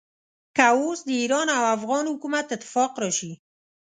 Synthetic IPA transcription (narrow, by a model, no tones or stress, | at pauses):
kaosd̪əiɾɑnawafɣɑnhʊkumat̪ɪt̪ːɪ̥fɑqɾɑʃi